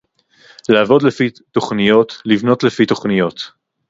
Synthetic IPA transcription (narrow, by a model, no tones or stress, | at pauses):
laːvodlefi | t̪o̞χnijo̞t̪livno̞t̪lefit̪o̞χnijo̞t̪